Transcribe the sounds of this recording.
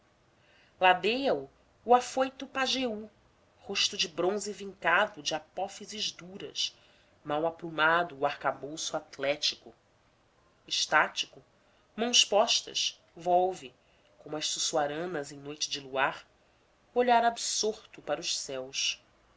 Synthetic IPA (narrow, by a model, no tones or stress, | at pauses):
lad̪ejɐuː | afojt̪ʊpaʒeu | hoʃt̪ʊd͡ʒɪbɾõzɪvĩŋkad̪ʊd͡ʒɪapɔfizɪʒd̪uɾɐ̰ʃ | mawapɾumad̪ʊːaχkabowsuat̪lɛt͡ʃikʊ | ɪʃt̪at͡ʃi̥kʊ | mɐ̃w̃spɔʃt̪ɐ̰ʃ | vɔwvɪ | kõmʊɐʃsusuaɾɐ̃nɐzẽj̃nojt͡ʃɪd͡ʒɪluaɾ | oʎaɾabsoɾt̪ʊpaɾʊʃsɛwʃ